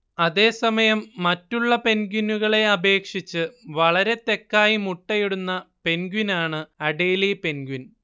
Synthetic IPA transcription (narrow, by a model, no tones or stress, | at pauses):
ɐðe̞ːsɐmɐjɐmːɐtːuɭːɐpe̞nɡinuɣɐɭe̞ɐbe̞ːkʂit͡ɕːɨʋɐɭɐɾe̞t̪ːe̞kːaːjimuʈːɐjiɽunːɐpe̞nɡinaːɳɨɐɖeːlipe̞nɡwin